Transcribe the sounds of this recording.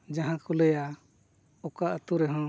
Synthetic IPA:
d͡ʒãɦãkulɛja | ɔkaʔət̪uɾɛɦɔ̃

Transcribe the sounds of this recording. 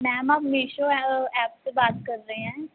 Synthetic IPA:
mɛ̃ːmaːpmeːʃõːɛːpt̪eːbaːt̪kəɾːəeɛ̃ː

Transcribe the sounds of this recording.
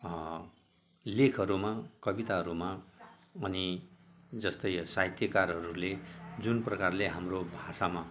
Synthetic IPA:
lekʰʌɾumakʌbit̪aɦʌɾuma | ʌni | d͡zʌst̪ʌjsaɦit̪ʰjʌkarɦʌɾuled͡zunprʌkarleɦamrobʱasama

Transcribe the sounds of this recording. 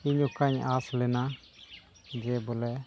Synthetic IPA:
iɲɔkaɲaslɛna | d͡ʒɛbɔlɛ

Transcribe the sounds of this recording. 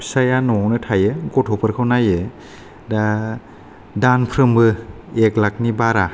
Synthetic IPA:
sajanɔwnɯtʰajɯɡɔtʰɔpʰɯɾkʰawnajɯ | da | danpʰɾɯmbɯ | eklak̚nibaɾa

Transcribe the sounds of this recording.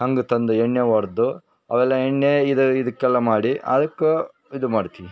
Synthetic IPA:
hɐŋɡut̪ɐnd̪ueɳːeʋɐɾd̪u | ɐʋɛlːɐeɳːeid̪ɐid̪ɐkːɛlːɐmaːɽiʔɐ̰d̪ɐkːe | id̪umaːɽt̪iʋi

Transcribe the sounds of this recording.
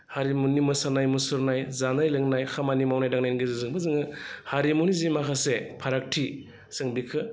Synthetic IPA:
haɾimunimɯsanajmusuɾnajzanajlɯŋnajkʰamanimawnajdaŋnajnɡɯzɯzɯŋbɯzɯŋɯhaɾimunizimakʰasepʰaɾak̚tʰi | sɯŋbikʰɯ

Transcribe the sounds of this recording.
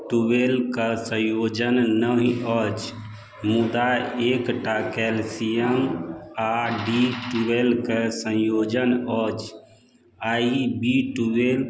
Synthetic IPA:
ʈuwelkəsə̃jod͡ʒənːəɦiɔd͡ʒ | mud̪aekʈakɛlsijəmaɖiʈuwelkəsə̃jod͡ʒənɔd͡ʒ | aibiʈuel

